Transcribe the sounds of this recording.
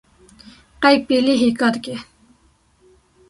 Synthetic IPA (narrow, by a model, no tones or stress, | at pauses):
qajk̚piliɦikɑt̪ke